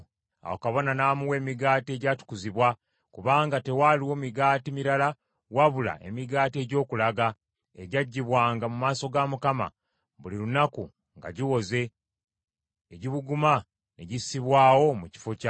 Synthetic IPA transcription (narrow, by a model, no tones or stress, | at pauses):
a̰wokaβo̞nanaːmuwe̞ːmiɡaːtie̞ɟaːtu̥kuziβwa | kuβaːŋɡate̞waliwo̞miɡaːtimiɾala | waβula̰e̞̰miɡaːte̞ːɟo̞ːkulaɡa | ḛɟaɟːiβwaːŋɡamumaːso̞ɡamukama̰ | βulilunaku | ŋɡa̰ɟiwo̞ze̞ | ɟiβuɡuma | ne̞ɟisiβwaːwo̞muci̥fo̞ca